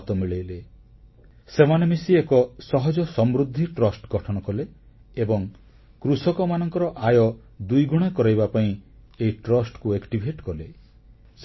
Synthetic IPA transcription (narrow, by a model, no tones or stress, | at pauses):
t̪ɔmiɭejle | semanemisiekɔsɔɦɔd͡ʒɔsɔmɾud̪ʱːiʈɾɔsʈɡɔʈʰɔɽ̃ɔkɔleː | bɔŋ | kɾusɔkɔmanɔŋkɔɾɔʔajɔ | d̪ujɡuɽ̃ekɔɾajbapaĩ | eiʈɾɔsʈkuekʈibʱeʈkɔle | s